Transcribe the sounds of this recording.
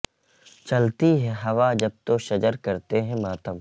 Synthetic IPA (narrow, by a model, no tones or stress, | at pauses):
t͡ʃɐlt̪iɦɛ̃ɦɐʋaːd͡ʒɐb̚t̪oʃɐd͡ʒəɾkɐɾt̪eɦɛ̃maːt̪ʰəm